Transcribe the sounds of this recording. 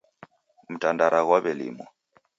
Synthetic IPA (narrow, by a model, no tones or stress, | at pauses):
mutʼandaɾʔaɣwaβɛlḭːmɔ̰